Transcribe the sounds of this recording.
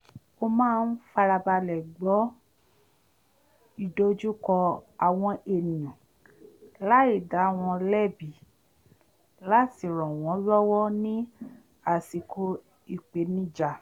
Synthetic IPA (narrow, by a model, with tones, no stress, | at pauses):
o˧mãː˦˧n̩˦fa˧ɾa˧ba˧lɛ˨ɡ͡bɔ˨˦ | i˦˨do˦d͡ʒu˦kɔ˧a˨w̃ɔ̃˧ʔe˨nĩ˨ũ˨ | la˦i˦˨da˨˦˨w̃ɔ̃˧lɛ˦˨bi˨ | la˦ti˦˨ɾɔ̃˨w̃ɔ̃˨˦lɔ˦wɔ˦nĩ˦ | a˨si˧kʰo˧ | i˨k͡pe˨˦nĩ˦d͡ʒa˨